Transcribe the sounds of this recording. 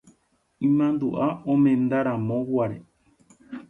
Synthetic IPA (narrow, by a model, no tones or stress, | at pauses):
ĩmãnd̪uʔaõmẽ̞nd̪aɾãmõwaɾe